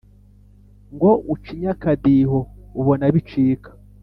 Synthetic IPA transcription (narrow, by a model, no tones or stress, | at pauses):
ŋɡoʔut͡ʃiɲakadiɦouβonaβit͡ʃiːkḁ